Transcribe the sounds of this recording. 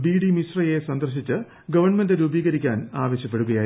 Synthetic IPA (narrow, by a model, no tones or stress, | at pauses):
biːɽimisrɐjesɐnd̪ɐrɕit͡ɕːɨ | ɡɐʋɐrɳɐmendɨɾuːbiːɣɐɾikʲːaːnaːʋɐɕjɐpːe̞ɽuɣɐjaː